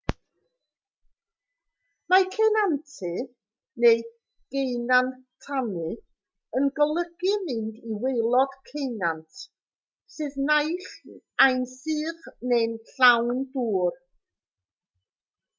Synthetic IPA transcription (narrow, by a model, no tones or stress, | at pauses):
makʰɛnantʰɨ | nej | ɡ̥ejnantʰanɨ | ənɡɔlˠəɡɨmɨndiwejlˠɔd̥kʰejnantʰ | sɨðnajɬ | ajnsɨːrnenɬawnduːr